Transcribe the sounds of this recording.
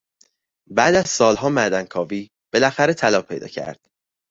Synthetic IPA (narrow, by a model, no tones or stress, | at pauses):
bæːd̪æzsɒːlɦɒːmæd̪ænkʰɒːviː | b̥elæxæɾet̪ʰælɒːpʰejd̪ɒ̰ːcʰæ̰ɾd̪̥